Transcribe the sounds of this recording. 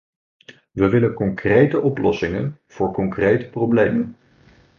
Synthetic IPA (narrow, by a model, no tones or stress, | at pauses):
ʋəʋɪlənkɔŋkrejtəʔɔplɔsɪŋə̰nv̥ʊːɹkɔŋkrejtə̥prowblejmən